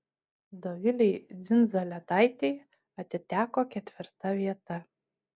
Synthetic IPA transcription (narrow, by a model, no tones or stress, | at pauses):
d̪ovʲɪlʲejd͡z̪ʲɪnzɐlʲɛt̪ajt̪ʲej | at̪ʲɪt̪ʲæːkɔkʲɛt̪ʲvʲɪrt̪ɐvʲiɛt̪ɐ